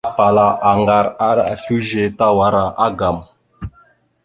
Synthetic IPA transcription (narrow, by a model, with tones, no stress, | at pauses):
a˦pa˨la˨ʔa˨ŋɡa˨ɾa˦ɾa˨ɬu˦ʒe˨ta˦wa˨˦ɾa˨ʔa˦ɡa˨m